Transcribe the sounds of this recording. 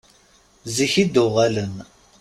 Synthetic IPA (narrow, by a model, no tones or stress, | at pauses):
ziçid̪ʊʁælən